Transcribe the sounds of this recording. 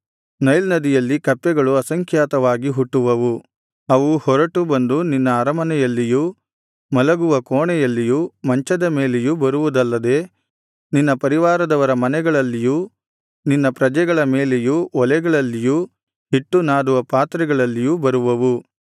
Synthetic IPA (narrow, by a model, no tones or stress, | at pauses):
nɐjlnɐd̪ijɐlːikɐpːɛɡɐɭuɐsɐŋkʰjaːt̪ɐʋaːɡiɦuʈːuʋɐʋu | ɐʋuhɔɾɐʈubɐnd̪uninːɐːɾɐmɐnɛjɐlːiju | mɐlɐɡuʋɐkoːɳɛjɐlːijumɐɲt͡ʃɐd̪ɐme̞ːlejubɐɾuʋud̪ɐlːɐd̪e̞ː | ninːɐpɐɾiʋaːɾɐd̪ɐʋɐɾɐmɐnɛɡɐɭɐlːiju | ninːɐpɾɐd͡ʒɛɡɐɭɐme̞ːlejuɔlɛɡɐɭɐlːiju | hiʈːunaːd̪uʋɐpaːt̪ɾɛɡɐɭɐlːijubɐɾuʋɐʋu